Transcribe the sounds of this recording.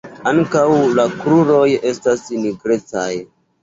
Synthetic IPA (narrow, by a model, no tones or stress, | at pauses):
aŋkawlakɾuɾo̞je̞stasniɡɾet͡sa̰j